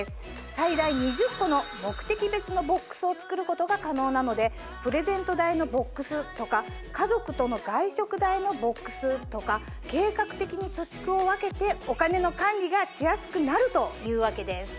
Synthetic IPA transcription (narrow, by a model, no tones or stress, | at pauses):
sɨ̥ | said̪aiɲ̟iʑɨkːo̞no̞mo̞kɯ̟̥t̪e̞kʲibe̞t͡sɨno̞bo̞kːɯ̥sɨo̞t͡sɨ̥kɯ̟ɾɯ̟ko̞t̪o̞ɡakano̞ːnano̞d̪e̞ | pɯ̟ɾe̞zẽ̞nt̪o̞d̪aino̞bo̞kːɯ̟sɨt̪o̞ka | kazo̞kɯ̟t̪o̞no̞ɡaiɕo̞kɯ̟d̪aino̞bo̞kːɯ̟̥sɨt̪o̞ka | ke̞ːkakɯ̟̥t̪e̞kʲiɲ̟it͡ɕo̞t͡ɕi̥kɯ̟o̞βake̞t̪e̞o̞kane̞no̞kãnʲɾʲiɡaɕijasɨ̥kɯ̟naɾɯ̟t̪o̞jɯ̟ːβake̞d̪e̞sɨ̥